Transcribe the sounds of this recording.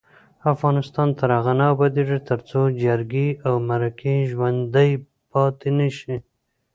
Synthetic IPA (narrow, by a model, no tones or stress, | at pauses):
afɣɑnɪst̪ɑnt̪ʰaɾaɣanabad̪eʐat̪əɾt͡sod͡ʒaɾɡeawmaɾakʰeʒwand̪əj | pɑt̪enaʃi